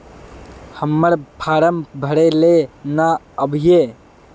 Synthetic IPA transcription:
həmːəɾpʰaːɾəmbʱəɽelena | əbʱjeː

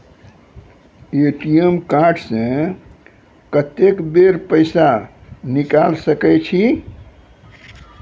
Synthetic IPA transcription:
eʈijemkaɾɖsẽ | kət̪ekbeɾpəɪsanikalsəkɛt͡ʃʰi

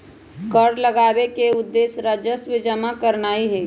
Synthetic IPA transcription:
kəɽləɡaːwekeʊd̪ːeːsɾəd͡ʒəsʋɪd͡ʒəmakəɾnaːiɦɛː

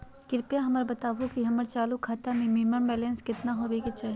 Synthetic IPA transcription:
kɪɾpjaɦɐməɾbɐt̪aːʋukiɦɐməɾt͡ʃaːlukʰaːt̪amẽmiməɳbɛːlɛ̃ːnskɪt̪naɦoːʋeket͡ʃaːɦ

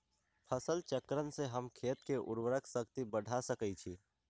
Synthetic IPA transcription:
pʰəsəlt͡ʃəkɾənseɦəmkʰeːt̪keʔʊ̰ɾwəɾəksəkt̪ibəɽʱasəkət͡ʃʰi

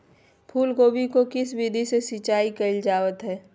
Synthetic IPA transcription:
pʰuːlɡoːbʱikokɪsbid̪ʱisesɪt͡ʃaːikɐɪld͡ʒaːʋət̪ɦɛː

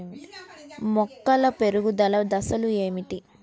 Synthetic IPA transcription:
i | mɔkːɐlɐpeɾuɡud̪ɐlɐd̪ɐsɐlue̞ːmiʈi

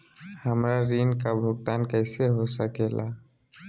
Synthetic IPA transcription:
həmɹaɹinkabʱoɡ̚t̪ankəjseɦosakɛla̰

